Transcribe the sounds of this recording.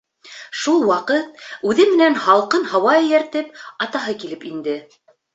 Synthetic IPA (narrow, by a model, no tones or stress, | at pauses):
ʃulˠwɑqɤt̪̚ʉðɘmɘ̆nænhɑlˠqɤnhɑwɑɘ̆jæɾt̪ɘpɑt̪ɑɦɤkilɘpind̪ɘ